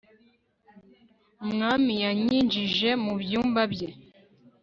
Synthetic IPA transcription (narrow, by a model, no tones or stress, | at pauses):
ŋamijaɲĩnd͡ʒiʒɛmubjumbabjɛ